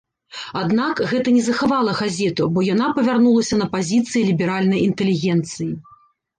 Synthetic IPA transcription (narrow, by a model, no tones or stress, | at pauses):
ad̪nakɣɛt̪ɐnʲɛzɐxavalˠɐɣazʲɛt̪ubɔjanapɐvʲarnulˠɐsʲɐnɐpazʲit̪sɨjilʲibʲɛɾalʲnɐjint̪ɛlʲiɣʲɛnt̪sɨji